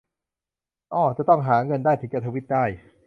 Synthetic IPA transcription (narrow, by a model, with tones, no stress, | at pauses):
ʔɔː˧˩t͡ɕa˨˩t̪ɔ˥˩ŋɦaː˩˦ŋɤ˧ndaː˥˩jt̪ʰɯ˨˩˦ŋt͡ɕa˧t̪ʰːwi˦˥t̪̚daː˥˩j